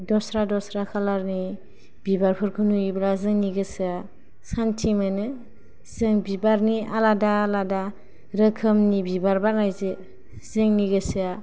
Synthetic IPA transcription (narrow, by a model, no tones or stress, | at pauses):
dɔsɾadɔsɾakʰalaɾni | bibaɾpʰɯɾkʰɯnujiblazɯŋniɡɯsɯa | santʰimanɯ | z̥ɯŋbibaɾnialadaːlada | ɾɯkʰɯmnibibaɾbaɾnajzɯ | z̥ɯŋniɡɯsɯa